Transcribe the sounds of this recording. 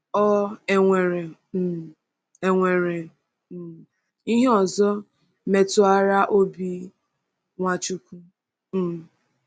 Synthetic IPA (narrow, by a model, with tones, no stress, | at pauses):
ɔ˦e˨ŋʷe˨ɾe˨ | e˨ŋʷe˨ɾe˨ | i˦ɦe˦ɔ˨zɔ˦ | me˨tʊ˨a˦ɾa˦ʔo˦bi˦ | ŋʷa˨t͡ʃu˦kʷu˦ | m̩˨